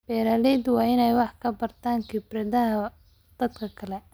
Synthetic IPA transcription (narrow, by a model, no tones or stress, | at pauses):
b̥ɛːɾaːlɛːd̪wɑːɪnɛjwɑħkʰɐbɐrt̪ʰaːŋkʰɪbrɐðɐɦɐ | d̪̥ɐd̪kʰɐkʰɐlɛ